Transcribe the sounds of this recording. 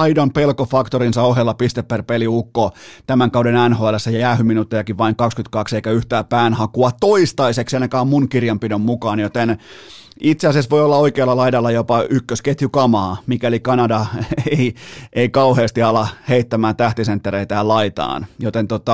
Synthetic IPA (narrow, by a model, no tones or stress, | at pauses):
ɑidompelkofɑkt̪orinsɑohelːɑpist̪epːerpeliukːot̪æmæŋkɑwdenænhoælːæsːejɑjæːhyminut̪ːejɑkiʋʋɑiŋkɑkskyt̪kɑkseikæyht̪æːpæːnhɑkuɑtt̪oist̪ɑiseksenɑkæːmmunkirjɑmpidommukɑːnjot̪en | it̪seɑsesʋoiolːɑoikeːlːɑlɑidɑlːɑjopɑykːøsket̪jykɑmɑːmikælikɑnɑdɑeiʔeikɑuheːst̪iɑlɑheit̪ːæmæːnt̪æht̪isent̪ːereit̪æːlɑit̪ɑ̰ːnjot̪ent̪ot̪ɑ